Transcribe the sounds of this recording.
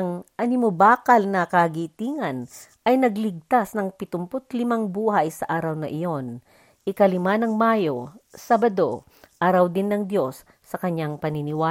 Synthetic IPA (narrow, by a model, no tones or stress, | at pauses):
ɐŋʔɐnɪmobaːkɐlnɐkɐɡiːt̪iːŋɐnʔɐjnɐɡlɪɡ̚t̪asnɐŋpɪt̪ʊmpot̪lɪmaŋbuːhɐjsɐʔaːɾɐwnɐʔɪjo̞n | ʔɪkɐlɪmanɐŋmaːjo̞saːbɐd̪o̞ | ʔaːɾɐwd̪ɪnːɐŋd̪jo̞sː | ɐkɐɲːaŋpɐnɪnɪwaː